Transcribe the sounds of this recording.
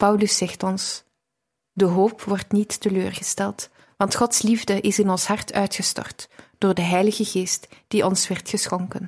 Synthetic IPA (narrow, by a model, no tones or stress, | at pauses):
pɑwləsɛxtɔns | dəɦoːpʋɔrtnitːəløːrɣəstɛlˠt | ʋɑntxɔtslivdəʔɪsɪnɔnsɦɑrtœɥtxəstɔ̰rtd̥oːrdəɦɛjləɣəɣeːstd̥iʔɔnsʋɛrtxəsxɔŋkən